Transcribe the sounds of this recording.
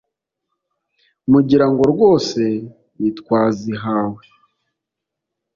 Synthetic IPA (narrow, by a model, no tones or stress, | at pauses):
muɟiɾaŋɡo̞ɾwo̞ːse̞ | ɾitwaːziɦaːwe